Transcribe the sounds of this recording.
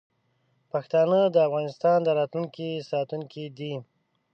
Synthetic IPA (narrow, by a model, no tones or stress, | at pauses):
paxt̪ɑnəd̪əafɣɑnɪst̪ɑnd̪əɾɑt̪luŋkisɑt̪uŋkid̪i